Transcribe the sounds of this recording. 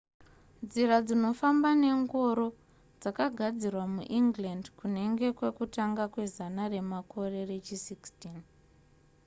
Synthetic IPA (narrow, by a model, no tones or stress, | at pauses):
nd͡ziɾad͡zino̞fambane̞ŋɡo̞ɾo̞ | d͡zakaɡʱad͡zirwamuʔiŋɡlandkune̞ŋɡe̞kwe̞kutaŋɡakwe̞zanare̞mako̞re̞re̞t͡ʃisikstin